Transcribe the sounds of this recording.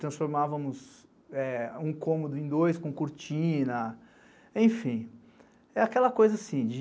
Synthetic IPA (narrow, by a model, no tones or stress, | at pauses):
t̪ɾɐ̃sfoɾmavɐmʊz | ɛũkõmod̪ʊẽd̪ojskõkuɾt͡ʃĩnɐ | ẽj̃fĩ | ɛakɛlɐkojzɐasĩd͡ʒɪ